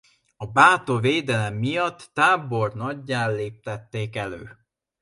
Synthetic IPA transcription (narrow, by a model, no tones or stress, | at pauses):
ɒbaːt̪oveːd̪ɛlɛmːijɒt̪ːaːbo̞rnɒɟːaːlːeːp̚t̪ɛt̪ːeːkɛlø̰ː